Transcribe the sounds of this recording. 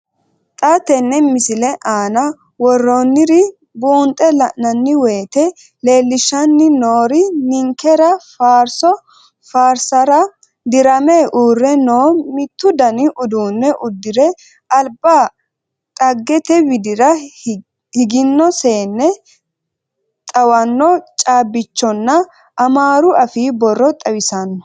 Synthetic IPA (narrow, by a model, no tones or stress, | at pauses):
t̪ʼat̪ɛnːɛmɪsɪlɛʔaːnɐ | wɔrːonːɪɾɪ | buːnt̪ʼːɛlɐʔnɐnːɪwe̞ːt̪ɛ | le̞ːlːɪʃɐnːɪnoːɾɪnɪŋkɛɾɐfaːɾsɔ | faːɾsɐɾɐ | d̪ɪɾɐmeːʔuːrːɛno̞ːmɪt̪ːʊd̪ɐnɪʔʊd̪uːnːɛʔʊd̪ːɪɾɛ | ʔɐlbaː | t̪ʼɐɡːɛt̪ɛwɪd̪ɪɾɐ | hɪɡɪnːɔse̞ːnːɛ | t̪ʼɐwɐnːɔt͡ʃʼaːbːɪt͡ʃːɔnːɐ | ʔɐmaːɾʊʔɐfiːbɔrːɔt̪ʼɐwɪsɐnːɔ